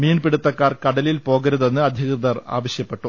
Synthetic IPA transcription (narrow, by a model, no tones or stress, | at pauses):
miːnpiɽut̪ːɐkːaːrkɐɽɐlilpo̞ːɣɐɾuðenːɨɐd̪ʱjɐɣrɨd̪ɐra̰ːʋɐɕjɐpːe̞ʈːu